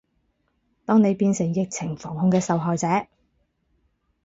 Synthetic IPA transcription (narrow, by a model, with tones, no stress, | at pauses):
t̪ɔː˥ŋne˨˧jpiː˧nsɪ˨˩ŋjɪ˨k̚t͡sʰɪ˨˩ŋfɔː˨˩ŋhʊ˧ŋkɛː˧sɐ˨wɦɔː˨jt͡sɛː˨˥